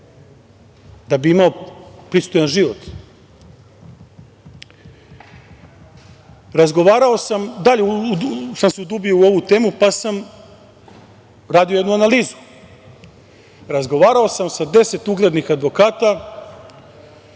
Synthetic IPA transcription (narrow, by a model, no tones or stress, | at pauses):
d̪abiimaopɾist̪ojanʒiʋo̞t̪ | ɾazɡo̞ʋaːɾao̞samd̪aʎesamseud̪ubio̞uo̞ʋut̪e̞ːmupasam | ɾaːd̪iojed̪nuanaliːzu̥ | ɾazɡo̞ʋaːɾao̞samsad̪e̞se̞t̪uɡled̪nixad̪ʋo̞kaːt̪a